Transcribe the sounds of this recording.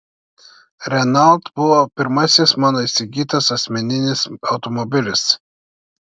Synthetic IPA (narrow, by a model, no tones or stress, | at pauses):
ɾʲɛnɐlˠt̪bʊʋopʲɪɾmɐsʲɪsmɑːnoːisʲɪɡʲiːt̪ɐsɐsʲmʲɛnʲɪnʲɪsɐʊt̪ɔmɔbʲɪlʲɪs